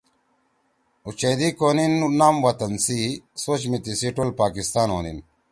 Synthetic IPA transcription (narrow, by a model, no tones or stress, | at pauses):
ut͡ɕeːd̪ikoːninunaːmwɐt̪ɐnsisoːt͡ɕmit̪isiʈolpaːkist̪aːno̰ːnḭn